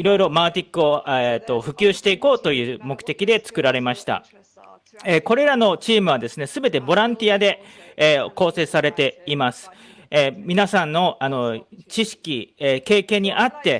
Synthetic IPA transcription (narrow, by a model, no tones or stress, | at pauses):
iɾo̞iɾo̞maːt̪ʲikːɯ̟o̞et̪ːo̞ɸɯ̟kʲɨːɕi̥t̪e̞iko̞ːt̪o̞jɯ̟ːmo̞kɯ̟t̪e̞kʲid̪e̞t͡sɨ̥kɯ̟ɾaɾe̞maɕi̥t̪a̰ | eko̞ɾe̞ɾano̞t͡ɕiːmɯ̟β̞ad̪e̞sɨne̞sɨbe̞t̪e̞bo̞ɾãnt̪ʲiad̪e̞ | ko̞ːse̞ːsaɾe̞t̪e̞imasɨ̥ | emʲinasãnːo̞ano̞t͡ɕiɕi̥kʲike̞ːkẽ̞ɲ̟ːiʔat̪ːe̞